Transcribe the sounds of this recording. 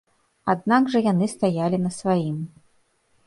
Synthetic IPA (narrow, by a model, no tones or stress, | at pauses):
ad̪̚naɡʐɐjanɨst̪ajalʲinɐsvajim